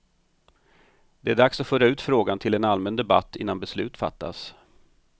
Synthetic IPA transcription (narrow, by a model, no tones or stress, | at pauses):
d̪̥ɛæɖaksat̪fœːɾaʉ̟ːt̪fɾoːɡant̪ʰɪlɛnalmɛnd̪ɛba̰t̪ːɪ̰nːanbɛslʉ̟ːt̪fa̰t̪ʰːa̰s